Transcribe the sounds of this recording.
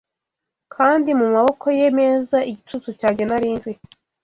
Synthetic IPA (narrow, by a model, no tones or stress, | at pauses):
kʰaːndimumaβo̞kʰo̞jeme̞ːzaʔiɟitut͡sucaːɲɟanaɾiːnze